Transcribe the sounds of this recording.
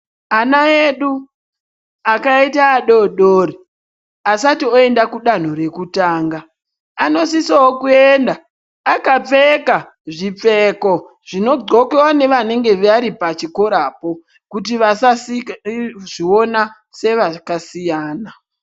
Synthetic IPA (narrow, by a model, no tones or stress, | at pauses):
anaeɗu | akaitaːɗo̞ɗori | asatio̞e̞ndakuɗan̤o̞ɾe̞kutaːŋɡaː | no̞sisawokuendaː | kap͡feka | ʐip͡feko̞ | ʐ̥ino̞ɡ͡ǀo̞kewane̞ʋane̞ŋɡe̞ʋaɾipat͡ʃiko̞ɾaːpo̞ | kut̬iʋasas | ʐio̞na | se̞ʋakasijaːna